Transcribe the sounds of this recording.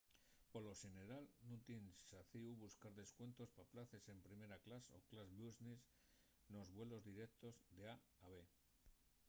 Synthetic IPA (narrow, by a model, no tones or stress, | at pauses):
po̞lo̞ʃene̞ɾalnut̪insaθiuβuskaɾðe̞skwe̞nt̪o̞spaplaθe̞se̞mpɾime̞ɾaklaso̰klazβuznis | no̞zβwe̞lo̞zðiɾe̞k̚t̪o̞zðe̞aː | βe̞